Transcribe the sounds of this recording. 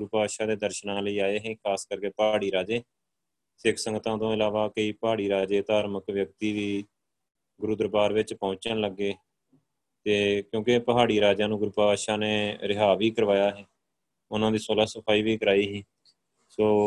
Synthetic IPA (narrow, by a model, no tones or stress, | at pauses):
ɡʊɾupaːʃaːd̪eːd̪əɾʃnãːləiːaːeːɦɛ̃ːkʰaːskəɾkeːpaːɽiːɾaːd͡ʒeː | sɪkʰsə̃ŋɡt̪ãːt̪õːɪlaːʋaːkəiːpəɦaːɽiːɾaːd͡ʒeːt̪aːɾməkʋjək̚t̪iːʋiː | ɡʊɾʊd̪əɾbaːɾʋɪt͡ʃpɔ̃ːt͡ʃəɳləɡːeː | t̪eːkjõːkɪpəɦaːɽiːɾaːd͡ʒãːnũːɡʊɾupaaːʃaːneːɾɪɦaːʋiːkəɾʋaːjaːɦɛː | ʊnãːd̪iːsoːlaːsəpʰaːiːʋiːkəɾaːiːɦĩː | soː